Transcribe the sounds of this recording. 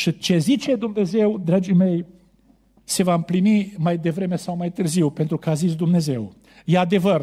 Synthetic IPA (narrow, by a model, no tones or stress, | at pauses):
ʃit͡ʃe̞zit͡ʃe̞d̪umne̞ze̞wd̪ɾad͡ʒime̞j | se̞vaɨmplinimajd̪e̞vɾe̞me̞sawmajt̪ɨrziwpe̞nt̪ɾukəazis̬d̪umne̞ze̞w | jead̪e̞vər